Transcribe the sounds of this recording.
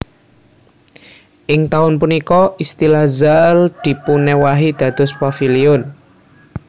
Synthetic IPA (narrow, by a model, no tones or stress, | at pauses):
ʔɪŋt̪aʊnpunikɔʔist̪ilazald̪̥i̤punɛwaɦid̪̥ä̤d̪̥ʊ̤spɔfiliʊn